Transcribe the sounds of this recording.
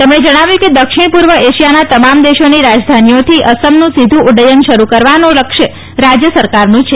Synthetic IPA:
t̪əmɳed͡ʒəɽ̃aʋjũked̪əkʃɪɽ̃puɾʋəeʃijanat̪əmamd̪eʃoniɾad͡ʒd̪ʱanijot̪ʰiʔəsəmnũsid̪ʱũʊɖəjənʃəɾukəɾʋanoləkʃe | ɾad͡ʒjəsəɾkaɾnũt͡ʃʰe

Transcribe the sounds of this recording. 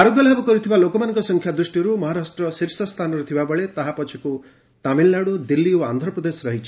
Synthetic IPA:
aɾoɡjɔlɦabɔkɔɾit̪ʰibalokɔmanɔ̃ŋkɔsɔŋkʰjad̪ɾusʈiɾumɔɦaɾasʈɾɔsiɾsɔst̪ʰanɔɾut̪ʰibabɔɭet̪aɦapɔt͡ʃʰiku | t̪amilːaɽud̪ilːioand̪ʱɾɔpɾɔd̪esɾɔɦit͡ʃʰi̥

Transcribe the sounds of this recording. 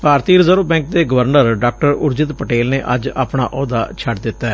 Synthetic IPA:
paːɾt̪iːɾzəɾoːbɛ̃ːŋk̚d̪eːɡəʋəɾnəɾɖaːk̚ʈəɾʊɾd͡ʒɪt̪pəʈeːlneːʔəd͡ʒa̰ːpɳa̰ːʔɔːd̪aːt͡ʃʰəʈd̪ɪt̪ːaɛː

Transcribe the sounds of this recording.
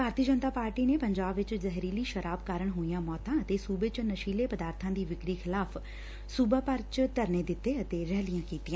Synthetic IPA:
bʱaːɾt̪iəd͡ʒənt̪aːpaːɾʈiːneːpəɲd͡ʒaːbʋɪt͡ʃzɛɦɾiːliːʃəɾaːbkaːɾəɳɦoːijãːmɔːt̪ãːət̪eːsuːbeːt͡ʃnəʃiːleːpəd̪aːɾt̪ʰãːd̪iːʋɪkɾiːxʰɪlaːpʰ | suːbaːpəɾt͡ʃt̪əɾneːd̪ɪt̪ːeːət̪eːɾɛːlɪjãːkiːt̪ijãː

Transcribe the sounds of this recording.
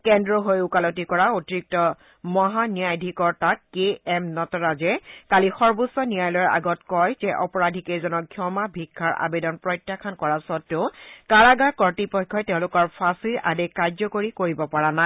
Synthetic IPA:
kɛndɹɔɦojukalɔtikɔɹaotiɹik̚tɔ | mɔɦanijajdʱikɔɹtakːeɛmnɔtɔɹazɛkalixɔɹbusɔnijajlɔjɔɹʔa̰ɡɔtkɔjzɛʔɔpɔɹadʱikezɔnɔɡʰʱjɔmabʱikʰːaɹa̰bedɔnpɹɔjtːjakʰankɔɹasɔtːʊʊkaɹaɡaɹkɔɹtipɔkʰːɔjtɛʊ̃lʊkɔɹpʰasiɹʔa̰dekːajzɔkoɹikoɹibɔpaɹana

